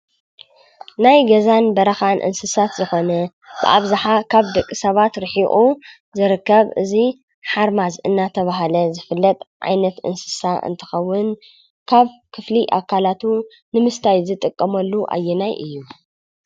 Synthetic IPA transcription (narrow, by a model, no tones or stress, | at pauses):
najɡɐzanbɐɾɐxanʔɨ̰nsɨsat̪zɨxo̞nɐ | bɨ̰ʔaβzaħakʰaβd̪ɐkʼːisɐβat̪ɾɨħiʔʼu | zɨɾɨkːɐβɨzi | ħaɾmazʔɨ̰nːat̪ʰɐβaɦlɐzɨfɨlːɐt̪ʼʕa̰jnɐt̪ʔɨ̰nsɨ̥saʔɨ̰nt̪ʰɨ̥xɐwːʊn | kʰaβkʰɨfliʔakʰːalat̪ʰu | nɨmɨst̪ʰajzɨt̪ʼɨkʼːɐmɐlːuʔa̰jɛnajʔɨ̰jːu